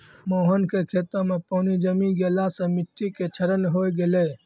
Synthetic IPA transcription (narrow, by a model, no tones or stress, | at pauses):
moːɦənkekʰeːt̪ə̃mẽpɔːnid͡ʒəmiɡelasə̃mɪʈːiket͡ʃʰəɾəlɦojɡele